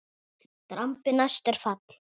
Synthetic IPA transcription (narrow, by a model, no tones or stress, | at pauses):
t̪ɾampɪnast̪ɛɾ̥fat̪l̥